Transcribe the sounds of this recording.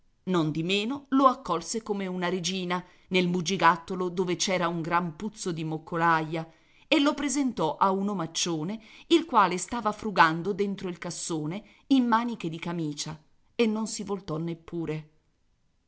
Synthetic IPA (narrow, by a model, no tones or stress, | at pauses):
nond̪imeːnoloakːɔlsekomeunaɾed͡ʒiːna | nelmud͡ʒiɡat̪ːolod̪oːvet͡ʃɛːɾauŋɡɾamput̪sːod̪imokʰːolajːa | elːopɾezent̪ɔʔaunomat͡ʃːoːneilkwaːlest̪aːvafɾuɡand̪od̪ent̪ɾoilkasːoːne | imːaːnik̟ed̪ikamiːt͡ʃa | enːonsivolt̪ɔnːepːuːɾe